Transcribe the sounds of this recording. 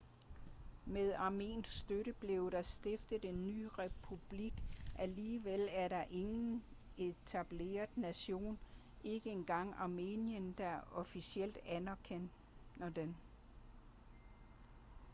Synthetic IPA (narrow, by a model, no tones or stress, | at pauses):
meðˠɑ̈me̝̰ːn̥ssd̥øɾəb̥le̝ʊɾ̥ɑsd̥e̝fd̥ð̩ˠe̝nːy̰ːʁɛpʰub̥liɡ̥ʔæliːʋelæɐɾɑ̈ʔe̝ŋn̩ | e̝t͡sʰæb̥le̝̰ːɐð̩ˠnæɕo̝̰ːn | ʔe̝ɡ̥əe̝nɡ̥ɑ̈ŋ̰ɑ̈me̝̰njənd̥æʔɒ̽fisiel̰d̥ænækʰen̰ | ɐd̥en